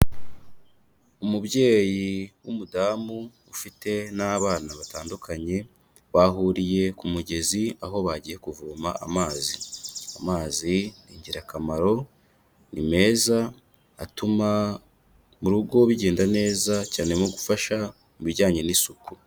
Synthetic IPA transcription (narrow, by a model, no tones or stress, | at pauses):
umubje̞ːjiwumudaːmu | ufite̞naβaːnaβataːndukʰaɲe̞ | waɦuːɾije̞kumuɟe̞ziaɦo̞βaɟije̞kuvuːmaamaːziamaːziniɲɟiɾakamaɾo̞ | nime̞ːzaː | tuma | muɾuɡo̞βiɟe̞ːndane̞ːzacaːne̞moɡufaʃa | muβiɾɟaːɲe̞nisuku̥